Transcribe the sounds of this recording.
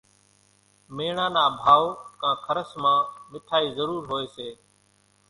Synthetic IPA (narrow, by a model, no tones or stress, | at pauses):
meːɳãːnaːbʱaːoːkãːkʰəɾəsmãːmɪt̪ʰaːiːzəɾuːɾɦoːeːseː